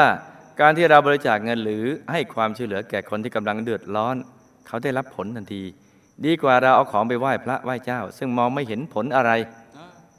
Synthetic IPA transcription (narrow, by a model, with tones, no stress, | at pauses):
aː˥˩ | kaː˧nt̪ʰiː˥˩ɾa˧wbɔː˧ɾi˧t͡ɕaː˨˩k̚ŋɤ˧nɾɯː˩˦ha˥˩jkʰwaː˧mt͡ɕʰu˥˩jlɯ˩˦ɐkɛː˨˩kʰo˧nt̪ʰiː˥˩ka˧mla˧ŋdɯ˨˩ət̪̚lɔː˦˥n | kʰa˦˥wda˥˩jɾa˦˥pʰːo˩˦nt̪ʰa˧ŋt̪ʰiː˧ | diː˧kwaː˨˩ɾa˧wʔaː˧˩wkʰɔː˩˦ŋp̬a˧jwaː˥˩jpʰɾa˦˥ʔwaː˥˩jt͡ɕaː˥˩wsɯ˥˩ŋmɔː˧ŋma˥˩jɦe˩˦npʰo˩˦nʔa˧ɾa˧j